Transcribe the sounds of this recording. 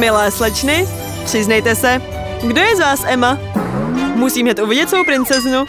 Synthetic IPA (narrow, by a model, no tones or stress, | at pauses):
mɪlɛːslɛt͡ʃnɪ | pr̝̥ɪznɛjt̪ɛsɛ | ɡdo̞jɛzvaːsʔɛma | musiːmɲɛt̪ʔuvɪɟɛt̪svowpɾɪnt͡sɛznu